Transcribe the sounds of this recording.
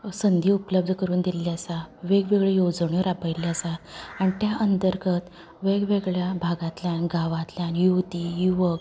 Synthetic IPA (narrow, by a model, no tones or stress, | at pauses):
sənd̪ʱiːupləb̚d̪ʱəkəɾuːnd̪iljasaʋeɡʋeɡɭejod͡zɳjoɾapəjljasaañit̪jaʔənt̪əɾɡət̪ | ʋeɡʋeɡɭjabʱaɡãt̪ljanɡaʋat̪ljanjut̪iːjuʋək̚